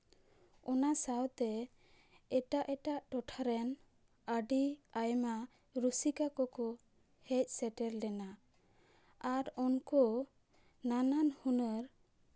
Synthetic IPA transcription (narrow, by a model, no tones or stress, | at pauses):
ɔnasawt̪ɛ | ɛʈaʔɛʈaʔʈɔʈʰaɾɛn | əɖiajma | ɾusikakɔkɔ | hɛc̚ˀsɛʈɛɾlɛna | aɾɔnkɔ | nananhunəɾ